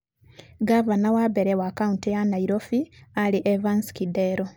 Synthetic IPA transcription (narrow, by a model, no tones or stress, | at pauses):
ɡavanawabeɾewaːkauntejanaiɾofialiʔevansi̥kideɾo